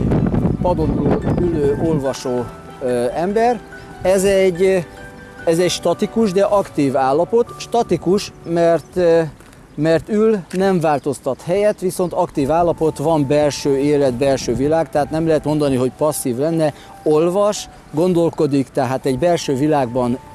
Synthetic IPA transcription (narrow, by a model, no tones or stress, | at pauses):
pɒd̪ot̪roːyløːʔo̞lvɒʃoː | ɛmbɛr | ɛzɛɟː | ɛzɛcʃt̪ɒt̪ikuʒd̪ɛʔɒkt̪iːvaːlːɒpo̞t̪ʃt̪ɒt̪ikuʃmɛrt̪ | mɛrt̪ylnɛɱvaːlt̪o̞st̪ɒt̪hɛjɛt̪ʋiso̞nt̪ɒkt̪iːvaːlːɒpo̞t̪ʋɒmbɛlʃøːeːlɛd̪bɛlʃøːvilaːɡt̪ɛɦaːt̪nɛmlɛɦɛt̪mo̞nd̪ɒniɦo̞cpɒsːiːvlɛnːɛ | o̞lvɒʃ | ɡo̞nd̪o̞lko̞d̪ikt̪ɛɦaːt̪ɛɟbɛlʃøːvilaːɡbɒn